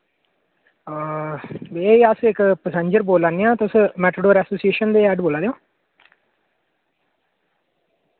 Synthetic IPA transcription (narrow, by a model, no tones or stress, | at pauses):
beːiəsɪkpəsə̃ɲd͡ʒəɾboːlãːnijãːt̪ʊsmɛːʈ̪ʰoɖoːɾɛːsoːsieːʃənd̪eːɛːɖboːlaːd̪ejõː